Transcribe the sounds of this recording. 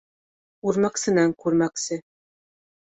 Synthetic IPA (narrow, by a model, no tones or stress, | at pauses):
uɾmæksɘ̆næŋkʉɾmæksɘ